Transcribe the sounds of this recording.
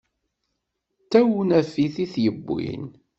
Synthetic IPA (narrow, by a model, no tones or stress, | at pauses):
t̪ːæwunæfiθiθjəbːḭn